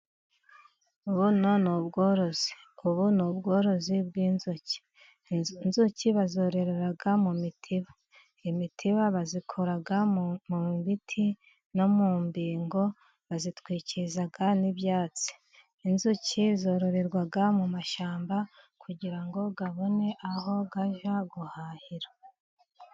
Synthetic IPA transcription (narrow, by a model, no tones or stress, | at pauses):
uβuno̞nubɡo̞ːɾo̞z̥i | uβunubɡo̞ːɾo̞zibɡiːnzuci̥ | nzuciβazo̞ːɾe̞ɾeɾaɡamumitʰiβḁ | imitʰiβaβazikʰo̞ɾaɡamumβitʰi | no̞muːmbiːŋɡo̞ | βazitwiːcizaɡaniβjaːt͡si̥ | inzucizo̞ːɾo̞ɾe̞ɾɡwaɡamumaʃaːmba | kʰuɟiɾaŋɡo̞ɡaβo̞ne̞ʔaho̞ɡaʒaɡuhahiɾa